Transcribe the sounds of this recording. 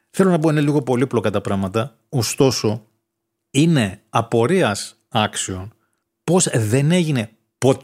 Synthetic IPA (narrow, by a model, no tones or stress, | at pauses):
θe̞lonɐpo̞ineliɣo̞po̞liplokɐt̪ɐpɾɐmɐt̪ɐ | ost̪o̞so̞ | ine̞ɐpo̞ɾiɐs | ɐksio̞n | po̞zðe̞ne̞ʝine̞ | po̞t̪